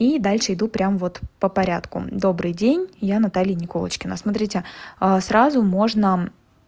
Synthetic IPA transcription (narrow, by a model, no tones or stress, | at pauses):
id̪alʲʂɨɪd̪upɾʲamvo̞t̪pəpɐɾʲa̰t̪kʊ̰d̪o̞bɾɨjdʲenʲjanɐt̪alʲɪjənʲɪko̞lˠə̰t͡ɕkʲɪnə̰smɐt̪ɾʲitʲɪəsɾazʊmo̞ʐnə